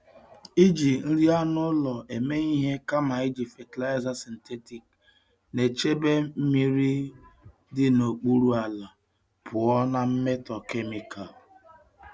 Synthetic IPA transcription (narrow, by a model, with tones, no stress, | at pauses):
i˦d͡ʒi˨n̩˦ɾi˦a˦nʊ˦lɔ˨e˨me˦i˦ɦe˦ka˦ma˨i˦d͡ʒi˨fe˨ti˨la˦ɪ˦za˦si˨n̩˨te˦ti˨k | ne˨t͡ʃe˦be˦m̩˦mi˦ɾi˦ | dɪ˦no˨k͡pu˦ɾu˦a˨la˨ | pʰʊ˨ɔ˦na˦m̩˦me˦tɔ˨ke˦mi˨kʰa˨l